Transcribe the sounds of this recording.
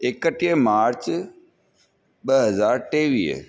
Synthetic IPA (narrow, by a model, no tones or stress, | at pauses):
ɪkəʈijəmaːɾt͡ɕ | ɓəɦəzaːɾʈeːʋiːɦ